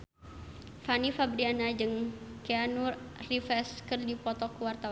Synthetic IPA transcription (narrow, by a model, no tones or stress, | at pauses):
fanifabɾianad͡ʒɨŋkɛanurrifɛskɨrdipɔt̪ɔkuwart̪awa